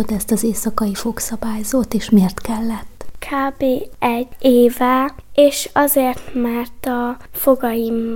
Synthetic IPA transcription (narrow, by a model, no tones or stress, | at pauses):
ot̪ɛst̪ɒzeːsɒkɒifo̞ksɒbaːjzoːt̪eːʃmeːrt̪kɛlːɛt̪ːkʰaːbeːɛɟːeːvɛeːʃɒzeːrt̪mɛrt̪ɒfo̞ɡɒjim